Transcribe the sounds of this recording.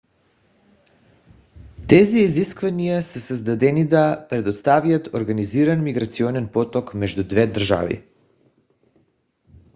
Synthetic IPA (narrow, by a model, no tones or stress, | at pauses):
t̪ɛziiziskvanijasɛsəzd̪ad̪ɛnid̪apɾɛd̪ot̪st̪avjat̪oɾɡaniziɾanmiɡɾat̪siɔnɛnpɔt̪ɔkmɛʒd̪ud̪vɛd̪rʒa̰vḭ